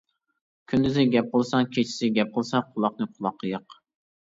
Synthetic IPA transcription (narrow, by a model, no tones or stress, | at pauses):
kʲʰynd̪yzɪɡʲɛp̚qʰəlˠsɑŋkʲʰet͡ʃʰi̥sɪɡʲɛp̚qʰəlˠsɑqʰʊlˠɑχnɨqʰʊlˠɑqʰːəjəq